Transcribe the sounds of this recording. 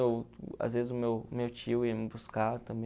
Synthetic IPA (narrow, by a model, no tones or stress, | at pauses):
ewa̰zvezɪzʊmewmewt͡ʃiʊiɐmɪbuskat̪ɐ̃mbẽ